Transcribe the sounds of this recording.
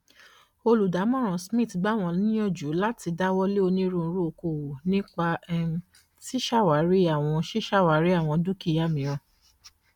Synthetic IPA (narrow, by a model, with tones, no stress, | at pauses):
o˧lu˨da˨˦mɔ̃˦˨ɾ̃ɔ̃˨˧smĩ˦˨tɡ͡ba˦w̃ɔ̃˧nĩ˦ɔ̃˦˨d͡ʒu˨˦la˦ti˧da˦wɔ˦le˦o˧nĩ˦ɾũ˦˨˧ɾu˦o˧ko˨wo˨nĩ˦k͡pa˧ɛ˦ | ti˦ʃa˦˨wa˨˦ɾi˦a˦˨w̃ɔ̃˧ʃi˦ʃa˦˨wa˨˦ɾi˦a˦˨w̃ɔ̃˧du˦ki˦˨ja˦˨mĩ˨ɾ̃ɔ̃˧